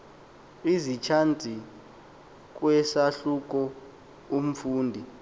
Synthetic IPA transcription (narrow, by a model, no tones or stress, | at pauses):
izit͡ʃʰand͡zʼʱi | k̬wɛsaɬuk̬ʼɔ | um̩fuːndʱi